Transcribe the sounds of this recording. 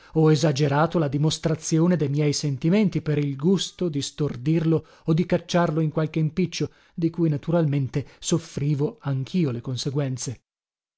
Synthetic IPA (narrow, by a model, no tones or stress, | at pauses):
ɔezad͡ʒeɾaːt̪olad̪imost̪ɾat̪sːjoːned̪ejmjɛjsent̪iment̪ipeɾilɡust̪od̪ist̪ord̪irlo | od̪ikat͡ʃːarloiŋkwalk̟eimpit͡ʃːo | d̪ikujnat̪uɾalment̪esofɾiːvoaŋkʰiːolekonseɡwɛnt̪se